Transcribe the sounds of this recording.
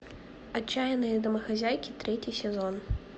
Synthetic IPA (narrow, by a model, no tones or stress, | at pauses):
at͡ɕːajɛnɨjɐd̪ɐmɐxazʲajkʲit̪ɾɛt͡sʲisʲɛzɔn